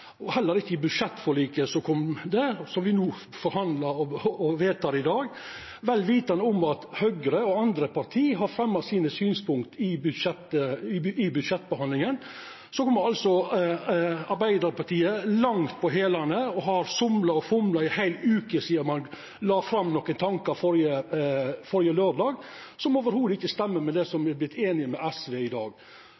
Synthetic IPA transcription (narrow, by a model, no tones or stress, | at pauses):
ɔhɛlːəɾɪçːəɪbʉd̪ʂɛt̪ːfɔɭiːkəsɔkʰɔmd̪ɛsɔmʋɪnuː | fɔɾhɑnd̪lɑɾɔɔʋeːt̪ʰɑːɾɪd̪ɑːɡ | ʋɛlʋiːt̪ɑnʊmɑt̪hœɡɾəɔɑnd̪ɾəpʰɑɾt̪ʰiːɦɑɾfɾɛmːɑsiːnəsyːnspʰʊŋkt̪ɪbʉd̪ʂɛt̪ː | ɪbʉd̪ʂɛt̪ːbəhɑnlɪŋən | sɔkʰɔmːəɾɑlsɔ | ɑɾbæɪd̪əɾpɑʈ̪iːəlɑŋt̪̚pʰɔɦeːlɑnəɔɦɑɾsʊmlɑɔfʊmlɑɪhæɪlʉːkəsiːəɾmɑn | lɑːfɾɑmːnɔkːənt̪ʰɑŋkɑɾfɔɾjə | fɔɾjəløːɖɑːɡ | sɔmoːʋəɾhuːd̪əɪçːəst̪ɛmːəmɛd̪ɛsɔmæblɪt̪ʰːeːnɪəmɛʔæsʋeːɪd̪ɑːɡ